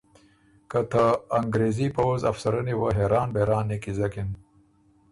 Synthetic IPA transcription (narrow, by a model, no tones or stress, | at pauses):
kət̪ʰaːŋɡɾezipɐwza̰fsɐɾɐniwaɦeɾɑːnbeɾɑːnːikizɐkin